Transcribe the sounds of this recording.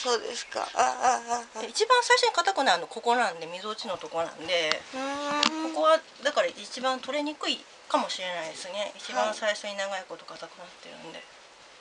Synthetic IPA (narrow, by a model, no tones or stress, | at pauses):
soːd̪ḛsɨ̥ka̰ | eit͡ɕibãɰ̃saiɕo̞ɲ̟ikat̪akɯ̟naːno̞ko̞ko̞nãnd̪e̞mʲizo̞t͡ɕino̞t̪o̞ko̞nã̰nd̪e̞ | ko̞ko̞βa | d̪akaɾait͡ɕibãnt̪o̞ɾe̞ɲ̟ikɯ̟i | kamo̞ɕiɾe̞naid̪esɨne̞it͡ɕibãsaiɕo̞ɲ̟inaɡaiko̞t̪o̞kat̪akɯ̟nat̪ːe̞ɾɯ̟̰̃nd̪e̞̰